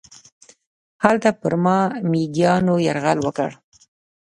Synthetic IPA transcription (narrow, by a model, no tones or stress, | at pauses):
halt̪apəɾmɑmiɡjɑnojaɾɣalwəkə̰ɽ